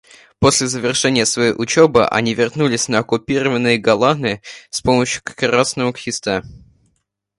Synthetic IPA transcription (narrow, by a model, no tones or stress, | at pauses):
po̞sʲlʲɪzəvʲɪrʂɛnʲɪjəsvɐjejʔʊt͡ɕebɨ̰ʔɐ̰nʲivʲɪrnulʲɪsʲnəɐkʊpʲiɾəvənːɨjəɡɐlˠanɨspo̞məɕjʊ̥kkɾasnəmʊkxʲɪst̪a